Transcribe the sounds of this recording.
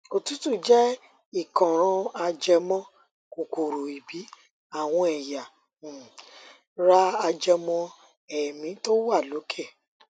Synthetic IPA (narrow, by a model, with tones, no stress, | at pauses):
o˧tu˨˦tu˦˨d͡ʒɛ˦ | i˦˨kɔ̃˨ɾ̃ɔ̃˧a˧d͡ʒɛ˧mɔ̃˦ | ko˨ko˨ɾo˨i˨bi˨˦ | a˦˨w̃ɔ̃˧ɛ˨ja˨ | ɾa˦a˧d͡ʒɛ˧mɔ̃˧ | ɛ˨mĩ˨˦to˦wa˦˨lo˨˦kʰe˦˨